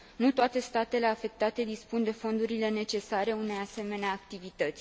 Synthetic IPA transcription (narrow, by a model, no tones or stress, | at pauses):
nut̪oat̪e̞st̪at̪e̞le̞afe̞k̚t̪at̪e̞d̪ispund̪e̞fo̞nd̪uɾile̞ne̞t͡ʃe̞saɾe̞une̞jase̞me̞neaːk̚t̪ivit̪ət̪sʲ